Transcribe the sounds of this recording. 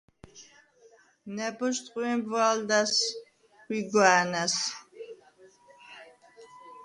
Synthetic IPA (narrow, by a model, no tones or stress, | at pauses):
nɛbɔʃt̪ʼqʼiɛmbvwald̪as | wiɡwaːnas